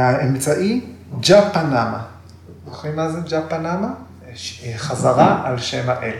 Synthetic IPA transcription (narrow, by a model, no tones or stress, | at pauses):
aemt͡saʔi | d͡ʒapanama | oχimazed͡ʒapanama | ʃχazaʁaʔalʃemaʔel